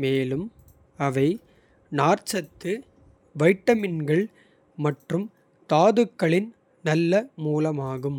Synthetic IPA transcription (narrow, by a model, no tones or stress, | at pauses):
meːlɯm | ɐʋɐɪ | naːɾt͡ʃɐt̪ːɯ | ʋɐɪʈːɐmɪnɡɐɭ | mɐʈrɯm | t̪aːðɯkːɐɭɪn | nɐlːɐmuːlɐmaːɣɯm